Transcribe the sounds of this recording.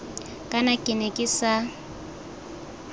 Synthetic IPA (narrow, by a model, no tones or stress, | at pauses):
kʼanakʼɪnɛkʼɪsa